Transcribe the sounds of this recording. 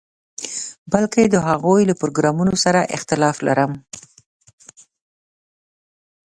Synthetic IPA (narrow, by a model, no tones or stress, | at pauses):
balked̪əɦaɣojlapɾoɡɾɑmunosaɾaʔɪ̰xt̪ɪlɑfla̰ɾəm